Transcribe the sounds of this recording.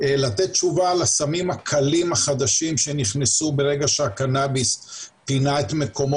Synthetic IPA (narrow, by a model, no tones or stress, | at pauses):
lat̪et̪̚t͡ʃuvaːlasamimakʰalimaχad̪aʃimʃe̞niχnesube̞ʁe̞ɡaʃeakanabispinaet̪me̞ko̞mo